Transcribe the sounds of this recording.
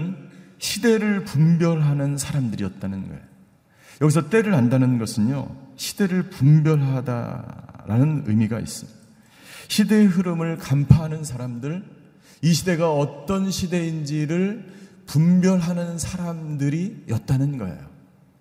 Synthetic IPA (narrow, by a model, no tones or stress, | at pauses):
n | ɕʰide̞ɾɯɭpumbjʌɭɦanɯnsʰaɾamdɯɾijʌt̚t͈anɯnɡʌ̰ḛjo | jʌɡis̬ʰʌt͈e̞ɾɯɾandanɯnɡʌsʰɯɲjo̰ɕʰi̥d̥e̞ɾɯɭpumbjʌɭɦada̰ɾa̰nɯnɯ̰miɡaḭs͈ʌ | ɕʰide̞ɦɯɾɯmɯɭkampʰaɦanɯnsʰaɾamdɯɭ | iɕʰide̞ɡaʌt͈ʌnɕʰide̞ind͡ʑiɾɯɭ | pumbjʌɭɦanɯnsʰaɾamdɯɾijʌt̚t͈anɯnɡʌ̰ḛjo